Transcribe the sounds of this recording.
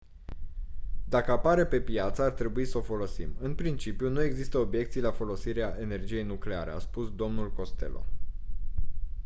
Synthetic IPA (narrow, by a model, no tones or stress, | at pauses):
d̪akəapaɾe̞pe̞pjat̪səart̪ɾe̞buisəo̞fo̞lo̞sḭmɨnpɾint͡ʃipjunue̞ɡzist̪əobje̞k̚t̪sijlafo̞lo̞siɾeaʔe̞ne̞rd͡ʒije̞jnukle̞aɾḛa̰spusd̪o̞mnulko̞st̪e̞̰lo̰